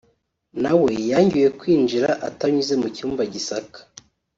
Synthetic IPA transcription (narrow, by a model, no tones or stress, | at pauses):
nawe̞jaɲɟuje̞kwiːnd͡ʒiɾaʔa̰taɲuze̞mucuːmbaɟisakḁ